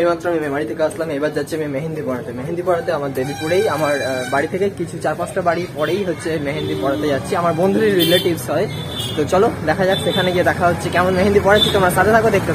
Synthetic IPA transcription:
emat̪ːɾoamimemaɽit̪ʰekeaslamejbaɾd͡ʑatːʃʰeamimeɦind̪ʱipɔɽat̪emeɦind̪ipɔɽat̪eamaɾd̪ebʱipuɽejamaɾbaɽit̪ʰekekit͡ɕʰut͡ɕaɾpãsʈabaɽipɔɽejɦotːɕʰemeɦend̪ipɔɽat̪ejatːt͡ɕʰiamaɾbond̪ʱuɾiɾileʈibsɦɔe | t̪ot͡ɕɔlod̪ɛkʰad͡ʑatsekʰaneɡied̪ɛkʰaɦotːɕʰekɛmonmeɦind̪ipɔɽat͡ɕʰit̪omɾasat̪ʰet̪ʰakod̪ek̚ʰt̪e

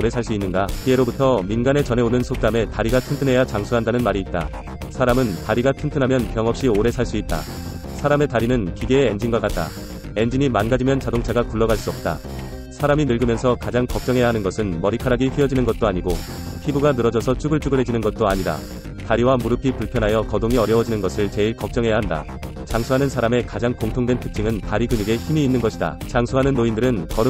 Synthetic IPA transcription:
ɾe̞sʰaɭs͈uinːɯnɡakie̞ɾobutʰʌminɡane̞t͡ɕʌnɦe̞onɯnsʰok̚t͈ame̞taɾiɡatʰɯntʰɯnɦe̞jat͡ɕaŋsʰuɦandanɯnmaɾiːt̚t͈a̰ | sʰaɾamɯntaɾiɡatʰɯntʰɯnɦamjʌnpjʌŋʌp̚ɕ͈ioɾe̞sʰaɭs͈uit̚t͈a̰ | sʰaɾame̞taɾinɯnkiɡeːend͡ʑinɡwak͈at̚t͈a̰ | e̞nd͡ʑiɲimanɡad͡ʑimjʌnt͡ɕadoŋt͡ɕʰaɡakuɭːʌɡaɭs͈uʌp̚t͈a̰ | sʰaɾaminɯɭɡɯmjʌnsʰʌkad͡ʑaŋkʌk̚t͡ɕ͈ʌŋɦe̞jaɦanɯnɡʌsʰɯnmʌɾikʰaɾaɡiɸiʌd͡ʑinɯnɡʌt̚t͈oaɲiɡo | pʰibuɡanɯɾʌd͡ʑʌsʰʌt͡ɕʰuɡɯɭt͡ɕ͈uɡɯɭɦe̞d͡ʑinɯnɡʌt̚t͈oaɲiɾa̰ | taɾiwamuɾɯpʰipuɭpʰjʌnɦajʌkʌdoŋiʌɾjʌwʌd͡ʑinɯnɡʌsʰɯɭt͡ɕe̞iɭkʌk̚t͡ɕ͈ʌŋɦe̞jaɦanda̰ | t͡ɕaŋsʰuɦanɯnsʰaɾame̞kad͡ʑaŋkoŋtʰoŋdwe̞ntʰɯ̥k̚t͡ɕ͈iŋɯntaɾiɡɯɲuɡe̞çimiːnːɯnɡʌɕʰida̰t͡ɕaŋsʰuɦanɯnːoindɯɾɯnkʌɾɯ

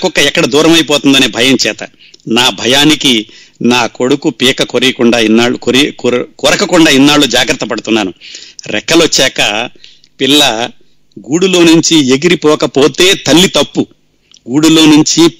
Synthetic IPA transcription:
kɔkːɐɛkːɐɽɐd̪uːɾɐmɐjpoːt̪und̪ɐneːbʱɐjɐmt͡ʃɛːt̪ɐ̰ | naːbʱɐjaːniki | naːko̞ɽukupiːkɐkoɾikuɳɖaːinːaːɭukɾkɔːɾɐkɐkuɳɖaːinːaːɭːud͡ʒaːɡɾɐt̪ːɐpɐɽut̪unːaːnuɾɛkːɐlot͡ʃːɛːkɐ̰ | pilːɐ | ɡuːɽulo̞ːnuɲt͡ʃieɡiɾipɔːkɐpo̞ːt̪e̞ːt̪ɐlːit̪ɐpːu | ɡuːɽulo̞ːnuɲt͡ʃi

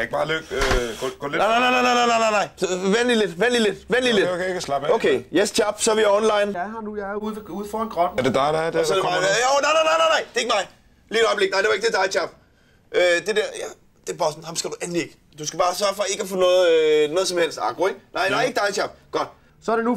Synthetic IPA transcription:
æe̝ɡ̥b̥ɑ̈ːløɡ̥ɡ̥ɔɡ̥ɔ̰lnaɪnaɪnaɪnaɪnaɪnaɪnaɪnaɪnɑɪ̰sʋenliled̥ʋenliled̥ʋenlilekʰslɑb̥okʰeːjest͡ɕʰɑb̥sɒʋiæɒnlɑ̈ɪnjhɑnujɑuðˠeuð̰ˠfɒnɡ̥ʁɔd̥n̩æɐd̥ed̥ɑɪdaɪd̥esɒd̥emɑɪeonaɪnaɪnaɪnaɪnaɪd̥e̝e̝ɡ̥ə̥mɑ̈ɪ | liːɾɒ̽ɪb̥le̝ɡ̥näɪ̰de̝ʋɑeɡ̥̚d̥edɑ̈ɪt͡ɕʰɑb̥̚ | ʔød̥e̝d̥eɐ̰jæ | d̥e̝b̥ɑ̈ːsn̩hɑ̈msɡ̥æd̥uʔænlie̝ɡ̥ | d̥usɡ̥æb̥ɑ̈ːsɶɐfɒ̽e̝ɡ̥æfɔ̽ːnɔ̽ːð̩ˠnɔːð̞̩ˠsɒ̽mhel̰sd̥ɑ̰̈ɡ̥ʁoeɡ̥nɑɪ̰deʋäe̝ɡ̥əd̥ɑ̈ɪt͡ɕʰɑ̈b̥̚ɡ̥ɒ̽d̥ | sɒæɐd̥enu

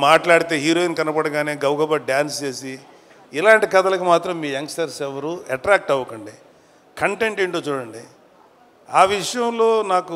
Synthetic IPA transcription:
maːʈlaːɽit̪e̞ːɦiːɾoːinkɐnɐpɐɽɐɡaːneːɡɐwɡɐbaɖjaːnst͡ʃe̞ːsi | ilaːɳʈikɐt̪ɐlɐkimaːt̪ɾɐmːiːɐŋksʈɐɾsɛʋɐɾuɐʈɾaːk̚ʈɐʋːɐkɐɳɖi | kɐɳʈe̞ɳʈeɳʈoːt͡ʃuːɽɐɳɖi | aːʋiʂɐjɐmlo̞ːnaːku

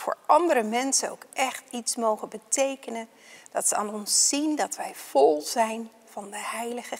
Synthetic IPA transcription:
vʊ̰ːɹɑndəɾəmɛnsəno̰wkʔɛχtitsmowχənbətejkənən | d̥ɑtsəa̰ːnɔnsːindɑtʋɛjv̥ɔlˠzɛjn | v̥ɑndəɦɛjləχə

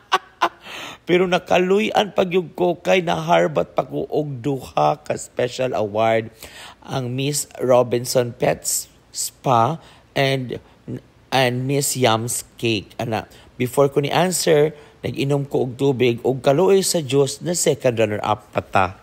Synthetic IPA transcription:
pɛɾonɐkalʊjʔanpɐɡjʊɡ̚kokajnɐɦaɹbat̪̚pako̰ʔʊɡ̚d̪uhakaspɛʃalʔɐ̰waɹd̪̚ʔaŋmɪsɹobɪnsõnpɛt̪s | spa | ʔɛnd̪ | and̪mɪsjamskekɐna̰ | bɪfoɹkʊnḭʔansɛɹnɐɡɪnʊmkoʔʊɡ̚t̪uːbɪɡʔʊɡ̚kɐloʔojsɐd͡ʒosnɐsɛkãnd̪ɹanɛ̰ɹʔa̰pːat̪a

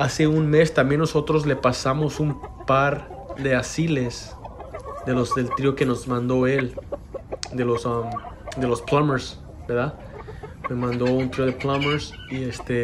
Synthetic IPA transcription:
ase̞unme̞st̪ambje̞nːoso̞t̪ɾosle̞pasamo̞sumpaɾ | ðe̞asile̞s | ðe̞losðelt̪ɾioke̞no̞zmãnd̪oe̞l | d̪elosamd̪e̞losplameɾs | beɾða | memãnd̪o̞unt̪ɾioðeplameɾs | iest̪e

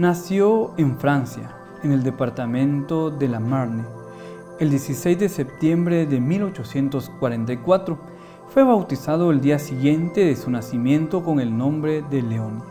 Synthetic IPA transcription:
nasjoeɱfɾansja̰ | ene̞ld̪e̞paɾt̪amẽ̞nt̪oðe̞lamaɾne | eld̪je̞sise̞jzd̪esep̚t̪je̞mbɾeðemilo̞t͡ʃosje̞nt̪oskwaɾe̞nt̪ajkwat̪ɾo | fweβawt̪isað̞oeld̪iasiɣje̞nt̪e̞ðesunasimjẽ̞nt̪o̞ko̞ŋe̞lnõ̞mbɾe̞ðeleon

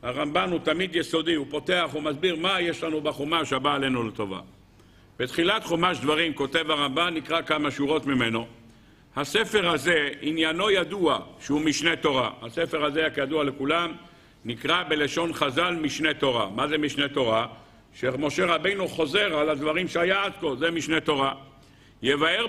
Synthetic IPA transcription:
haʁambanhut̪amid̪jeso̞diupo̞te̞aχumazbiʁmajeʃlanubaχomaʃabaːle̞nulet̪o̞va̰ | b̥et̪χilat̪χomaʃd̪vaʁimko̞te̞vhaʁambanːikʁakamaʃuʁo̞t̪mime̞no̞ | hase̞fe̞ʁhaze̞injano̞jaduaʃeumiʃne̞t̪o̞ʁahase̞fe̞ʁazejakjad̪uale̞kulam | nikʁabe̞leʃo̞nχazalmiʃne̞t̪o̞ʁamaze̞miʃne̞t̪o̞ʁa | ʃemo̞ʃe̞ʁabe̞jnuχo̞ze̞ʁalad̪vaʁimʃeajaad̪ko̞lzemiʃne̞t̪o̞ʁa | jevaeʁ

